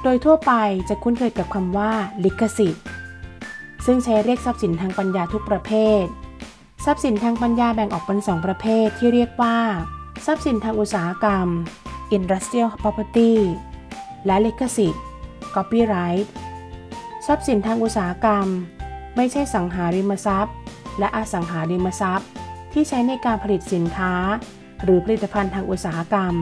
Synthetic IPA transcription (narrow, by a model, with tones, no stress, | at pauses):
doː˧jt̪ʰu˥˩ɐpa˧jt͡ɕa˨˩kʰu˦˥nkʰɤː˧jka˨˩p̚kʰa˧mwaː˥˩li˦˥kʰːa˧si˨˩t̪̚ | sɯ˥˩ŋt͡ɕʰa˦˥jɾi˥˩ək̚sa˦˥p̚si˩˦nt̪ʰaː˧ŋpa˧njaː˧t̪ʰu˦˥k̚pɾa˧pʰeː˥˩t̪̚ | sa˦˥p̚si˩˦nt̪ʰaː˧ŋpa˧njaː˧bɛ˨˩ŋʔɔː˨˩k̚pe˧nsɔː˩˦ŋpɾa˧pʰeː˥˩t̪ʰːiː˥˩ɾi˥˩ək̚waː˥˩sa˦˥p̚si˨˩˦nt̪ʰaː˧ŋʔu˨˩t̪̚saː˩˦a˧ka˧mʔi˧nɾa˦˥st̪i˥ə˨pʰɔ˦˥pʰa˧t̪iː˥˩ | lɛ˦˥le˦˥kʰːa˧si˨˩t̪̚ | kʰɔ˦˥piː˥˩ɾa˦˥jt̪̚ | sa˦˥p̚si˨˩˦nt̪ʰaː˧ŋʔu˨˩t̪̚saː˩ɦa˧ka˧mːa˥˩jt͡ɕʰa˥˩jsa˩˦ŋɦaː˩˦ɾi˧mːa˧sa˦˥p̚lɛ˦˥ʔaː˧sa˩˦ŋɦaː˩˦li˧mːa˧sa˦˥p̚t̪ʰiː˥˩t͡ɕʰa˦˥jna˧jkaː˧npʰa˧li˨˩t̪̚si˩˦nkʰaː˦˥ | ɾɯː˩˦pʰa˧li˨˩t̪ːa˧pʰa˧nt̪ʰaː˧ŋʔu˨˩t̪̚saː˩˦ha˧ka˧m